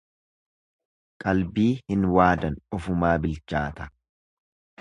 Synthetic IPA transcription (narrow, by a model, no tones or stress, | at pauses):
kʼɐlbiːhɪnwaːd̪ɐnɔfʊmaːbɪlt͡ʃaːt̪ɐ̥